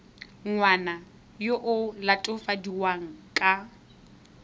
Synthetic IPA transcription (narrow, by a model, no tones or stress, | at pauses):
ŋwana | joʔʊlatʼʊfadiwaŋ̩kʼa